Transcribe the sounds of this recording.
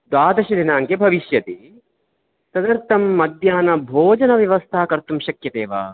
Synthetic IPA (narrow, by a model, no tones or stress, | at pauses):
d̪waːd̪ɐʃɐd̪ʱinaːŋkebʱɐʋiʃjɐt̪i | sɐd̪ɐɾt̪ʰɐmːɐd̪jaːnɐbʱoːd͡ʒɐnɐʋjɐʋɐst̪ʰaːkɐɾt̪umʃɐkjɐt̪eːʋa̰ː